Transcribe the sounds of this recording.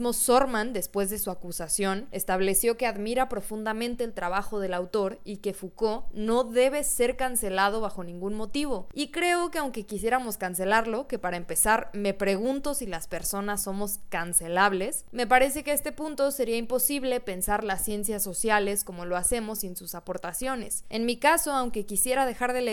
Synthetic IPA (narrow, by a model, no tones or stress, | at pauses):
mosoɾmãnd̪e̞spwe̞zðe̞suakusasjo̞ne̞st̪aβle̞sjo̞ke̞aðmiɾapɾo̞fund̪amẽ̞nt̪e̞ːlt̪ɾaβaxo̞ð̞e̞lawt̪o̞ɾike̞fuko̞no̞ðe̞β̞e̞se̞ɾkanse̞lað̞o̞β̞axo̞nĩŋɡunmo̞t̪iβ̞o̞ikɾe̞o̞ke̞awŋke̞kisje̞ɾamo̞skanse̞laɾlo̞ke̞paɾaempe̞saɾme̞pɾe̞ɣ̞ũnt̪o̞silaspe̞ɾso̞nasːo̞mo̞skanse̞laβle̞sme̞paɾe̞se̞keest̪e̞pũnt̪o̞se̞ɾiaimpo̞siβle̞pe̞nsaɾlasːje̞nsjasːo̞sjale̞sko̞mo̞lo̞ase̞mo̞sensusapo̞ɾt̪asjo̞ne̞se̞nmikaso̞awŋke̞kisje̞ɾaðe̞xaɾðe̞le